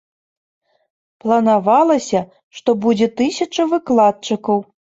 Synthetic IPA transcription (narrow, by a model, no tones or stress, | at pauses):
plˠɐnavalˠɐsʲɐ | ʂt̪ɔbud͡zʲɛt̪ɨsʲɐt͡ʂɐvɨklˠat̪̚t͡ʂɨkɐw